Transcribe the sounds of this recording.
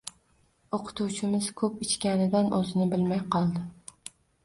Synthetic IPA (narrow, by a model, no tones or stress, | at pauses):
oqʰʊ̥t̪ʰuwt͡ʃʰɪmɪz̥kʲʰɵpit͡ʃkʲanɪd̪anɵzɪnɪbɪlmæjqʰɑlˠd̪ɪ